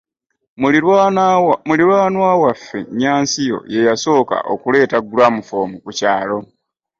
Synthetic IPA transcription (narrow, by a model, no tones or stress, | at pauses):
muliɾwaːnwaːwafːe̞̰ɲaːnsijo̞̰je̞jaso̞ːka̰ʔo̰kule̞ːtaɡulwamufo̞ːmukucaːlo̞